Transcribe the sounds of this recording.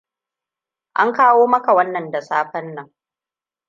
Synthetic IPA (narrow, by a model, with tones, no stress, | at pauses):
ʔa˦ŋkaː˦woː˦mɐ˦ka˨wɐ˦nːɐ˨nda˨saː˦ɸɐ˦nːɐ˨ŋ